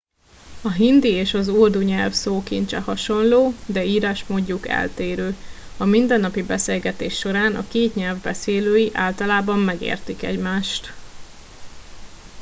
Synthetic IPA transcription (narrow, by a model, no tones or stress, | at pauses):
ɒɦind̪ieːʃɒzuld̪uɲɛlfsoːkint̪t͡ʃɛhɒʃo̞nloːd̪ɛiːɾaːʃmoːɟːukɛ̰lt̪eːɾøː | ɒmind̪ɛnːɒpibɛseːlɡɛt̪eːʃːo̞ɾaːnɒ̰keːt̪ɲɛlvbɛseːløːjiʔa̰ːlt̪ɒlaːbɒmːɛɡḛːrt̪ikɛ̰ɟmaːʃt̪